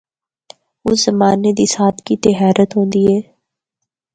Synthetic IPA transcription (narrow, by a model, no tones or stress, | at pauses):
ʊszɐmaːned̪isaːt̪kit̪eɦaːɾʔət̪ɦõːnd̪iɦɛː